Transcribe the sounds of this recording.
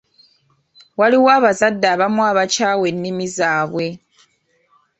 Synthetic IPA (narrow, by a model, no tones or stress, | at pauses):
waliwaːβazadaβamwaːβat͡ʃawenːimizaːβwe